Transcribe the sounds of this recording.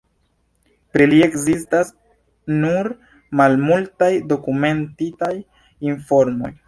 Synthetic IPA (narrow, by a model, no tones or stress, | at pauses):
pɾelie̞kzistas | nuɾ | malmultajdo̞kume̞ntitaj | info̞ɾmo̞̰j